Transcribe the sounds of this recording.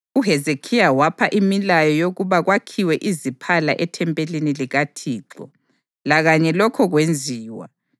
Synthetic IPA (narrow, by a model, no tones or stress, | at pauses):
uɦɛzekʰijawapʰaʔimilajɔjoɣuβaɣwakʰiwɛʔizipʰala̰ʔɛtʰɛmpʼeliniliɣatʰiːǁɔ̰ | laɣaɲɛlɔkʰɔɣwend͡zʱiːwa̰